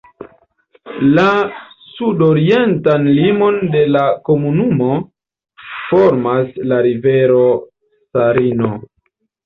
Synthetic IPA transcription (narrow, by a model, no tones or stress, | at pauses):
lasudoɾie̞ntanlimo̞nde̞lako̞munumo̞ | fo̞ɾmaslaɾive̞ɾo̞ | saɾino